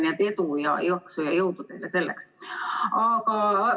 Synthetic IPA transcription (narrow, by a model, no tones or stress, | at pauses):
nɑt̪et̪ujɑ̰juɑksujɑjout̪ut̪ehlːæselːæ̰ks | ɑːkɑ